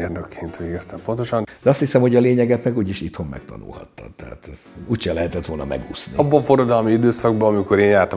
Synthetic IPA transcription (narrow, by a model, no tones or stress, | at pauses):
erd̪økʰeːnt̪ʋeːɡɛst̪ɛmpo̞nt̪o̞ʃɒnd̪ɛɒst̪hisɛmho̞ɟɒleːɲɛɡɛt̪mɛɡuːɟiʃit̪ho̞mmɛ̰kt̪ɒ̰nṵlhɒ̰t̪ːɒ̰t̪ːɛa̰t̪ɛzuːcʃɛlɛɦɛt̪ɛt̪ʋo̞lnɒ̰mɛ̰ɡuːsnḭbːɒɱfoɾɒd̪ɒlmiid̪øːsɒɡ̚bɒɒmikoɾeːnjaːt̪ɒ